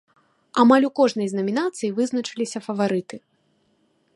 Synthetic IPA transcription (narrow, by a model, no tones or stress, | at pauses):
amalʲukɔʐnɐjznɐmʲinat̪sɨjivɨznɐt͡ʂɨlʲisʲɐfɐvaɾɨt̪ɨ